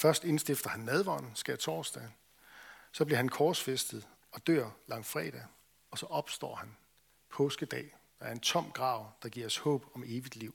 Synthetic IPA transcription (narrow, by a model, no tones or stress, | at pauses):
fɶɐsd̥e̝nsd̥ifd̥ɐhænːɛð̞ˠʋɑ̰̈nsɡ̥æt͡sʰɒːsd̥ɛ | sɒ̽b̥liɐhænkʰɒ̥ːsfesd̥ð̩ˠ | ɒ̽d̥ø̰ɐ̰lɑ̈ŋ̰fʁɛ̰ːd̥ɛ | ɒ̽sɒ̽ʔɒ̽b̥sd̥ɒ̰ːhæn | pʰɔ̽ːsɡ̥əd̥ɛ̰ː | dɑæɐe̝nt͡sʰɒ̽m̰ɡ̥ʁɑ̈ːʊ̰d̥ɑ̈ɡ̥iɐ̰shɔ̰̽ːb̥ɒ̽me̝ːʋid̥liʊ̰